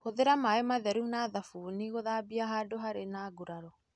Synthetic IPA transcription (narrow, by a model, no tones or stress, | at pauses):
hoðeɾamaemaðɛɾunaðafuːniɣoðabiaɦaːdoɦaɾenaːɡuɾaɾɔ